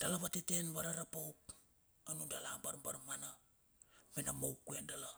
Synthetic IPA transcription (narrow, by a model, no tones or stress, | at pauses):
d̥alaβatete̞nβaɾaɾapowk̚ | anundala̰baɾbaɾmana | menamowkːuendala